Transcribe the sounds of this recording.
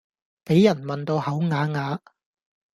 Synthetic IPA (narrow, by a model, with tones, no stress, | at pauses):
pe˨˥jːɐ˨˩nmɐ˨nt̪o˧whɐ˨˥wŋaː˨˥ŋaː˨˧